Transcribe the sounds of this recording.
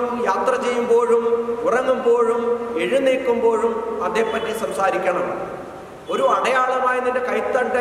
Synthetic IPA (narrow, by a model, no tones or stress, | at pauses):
mjaːt̪rɐt͡ɕe̞jːumbo̞ːɻumurɐŋːumbo̞ːɻumeɻiniːkːumbo̞ːɻumɐðe̞ːpːɐtːisɐmsaːɾikʲːɐɳɐm | o̞ɾuɐɽɐjaːɭɐmaːjɐnːindekɐjt̪ːɐɖɐ